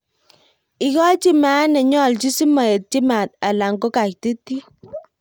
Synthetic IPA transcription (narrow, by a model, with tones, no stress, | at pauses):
ɪ˨kɔ˦t͡ʃi˦maː˨˦nɛ˨ɲɔ˦˨lt͡ʃi˦si˦ma˨e˨t̚t͡ʃi˦ma˨t̪̚a˨la˨ŋɡo˦ka˨k̚ti˦ti˦